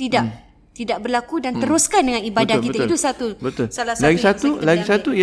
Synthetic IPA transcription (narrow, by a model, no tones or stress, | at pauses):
t̪ida | t̪idaʔbərlakudant̪əɾuskandəŋãnibadahkiət̪ait̪usat̪ubət̪ʊlsalaslaɡisat̪ulaɡisat̪uj